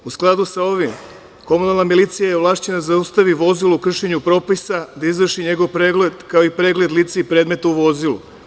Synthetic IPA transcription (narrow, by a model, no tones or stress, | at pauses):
usklˠad̪usao̞ʋim | ko̞munalˠnamilit̪sijajevlˠaːʃt͡ɕenad̪azaust̪aʋiʋo̞zilukr̩ʃe̞ɲupɾo̞ːpisad̪aizʋr̩ʃiɲe̞ɡo̞ʋpɾeɡled̪kaoipɾe̞ːɡle̞d̪lit̪seipɾed̪me̞t̪auʋo̞zilṵ